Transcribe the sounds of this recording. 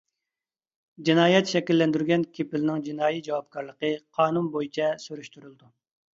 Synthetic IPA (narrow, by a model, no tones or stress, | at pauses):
d͡ʒinɑːjɛt̪ʃɛkʲilːɛnd̪yɾɡʲɛnkʲʰepɪlɪnɪŋd͡ʒinɑːjid͡ʒɑwɑp̚kʰɑɾlˠəqəqʰɑːnunbojit͡ʃʰɛsyɾyʃt̪yɾylˠd̪u